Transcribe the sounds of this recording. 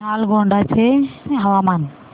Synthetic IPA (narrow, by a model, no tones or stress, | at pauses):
alɡɔɳɖat͡ʃʰeɦawaman